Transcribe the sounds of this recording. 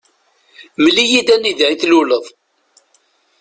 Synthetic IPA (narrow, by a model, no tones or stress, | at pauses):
məlijid̪ænːiðʕiθluləðˤ